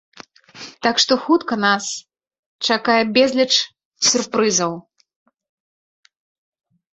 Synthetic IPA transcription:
t̪akʂt̪ɔxut̪kɐnas | t͡ʂakajɛbʲɛzʲlʲɛt͡ʂ | sʲurpɾɨzɐw

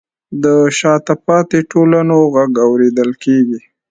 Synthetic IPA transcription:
d̪əʃɑt̪apɑt̪eʈolanoɣaɡawɾed̪əlkeɡi

